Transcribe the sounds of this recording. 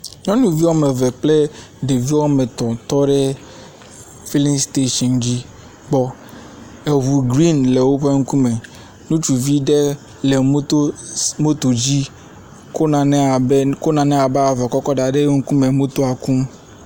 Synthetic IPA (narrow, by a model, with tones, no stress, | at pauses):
ɲɔ̃˦nũ˨vi˦wɔ˦me˨vɛ˨k͡plɛ˦ | ɖe˨vi˦wɔ˦me˨t̪ɔ̃˨t̪ɔ˦ɖɛ˦ | fi˦li˦ŋst̪e˦ʃɔ˨nd͡ʑi˦ | ɡ͡bɔ˨ | e˨ɦu˨ɡɾi˦nle˨wo˦ɸe˦ŋ̩˦ku˦me˨ | nũ˦t͡ʃu˨vi˦ɖe˦ | le˨m˦t̪o˦mo˦t̪o˨d͡ʑi˦ | ko˦nã˨nɛ˦a˨ko˦nã˨nɛ̃˦a˨bɛ˦a˨vɛ˨kɔ˦kɔ˦ɖa˨ɖe˦ŋ̩˦ku˦me˨mũ˦t̪o˦a˨kũ˦m